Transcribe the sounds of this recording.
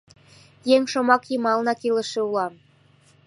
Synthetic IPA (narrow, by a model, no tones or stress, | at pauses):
jeŋʃomɑkjimɑlnɑkilə̆ʃĕulɑm